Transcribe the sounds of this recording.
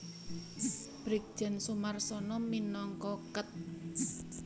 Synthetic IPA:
b̥ɾik̚d̥ʒ̥ɛ̤nsumarsɔnɔminɔŋkɔkət̪̚

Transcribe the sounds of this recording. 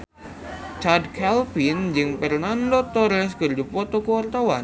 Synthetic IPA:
t͡ʃardkʰɛlfind͡ʒɨŋpərnandɔt̪ɔɾɛs̬kərd͡ʒupɔt̪ɔkəwart̪awan

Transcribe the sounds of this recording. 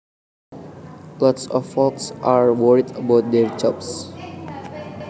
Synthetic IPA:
lɔtsɔffɔksʔaɹwɔɹidəbaʊt̚d̪eɹd͡ʒɔbs

